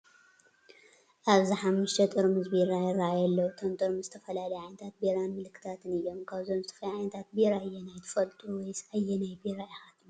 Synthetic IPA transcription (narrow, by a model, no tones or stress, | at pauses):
ʔaβziħamːɨʃt̪ʰɐt̪ʼɨɾmɨzbiɾajɪrːaʔajɛlːɐwut̪ʰomt̪ʼɨɾmɨzɨt̪ʰɐfɐlalɐjʕajnɐt̪ʰat̪̚beɾanmɨlɨkʰːɨ̥t̪ʰat̪ʰɨnɨjːo̞mkʰaβzomzɨt̪ʰɐ̥fɐjʕajnɐt̪ʰat̪̚biɾaɨjːenajt̪ʰɨ̥fɐlt̪ʼuwɔjsajːɛnajbiɾajɪxat̪na